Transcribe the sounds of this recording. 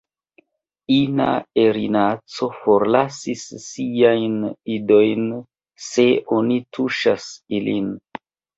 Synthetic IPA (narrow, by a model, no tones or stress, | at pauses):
ina̰eɾinat͡so̞fo̞ɾlasisːiajnido̞jn | se̞o̞nitʰuʃasilin